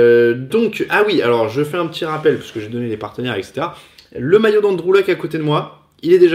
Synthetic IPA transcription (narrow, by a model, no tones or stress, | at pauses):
d̪ɔ̃kawia̰lɔʁʒəfɛɛ̃pət̪iʁapɛlpɥi̥sə̥kəʒed̪ɔnelepaʁt̪ənɛʁɛ̰kse̥t̪eʁa | ləmajod̪ɑ̃d̪ʁulakakot̪ed̪əmwa | ilɛd̪eʒ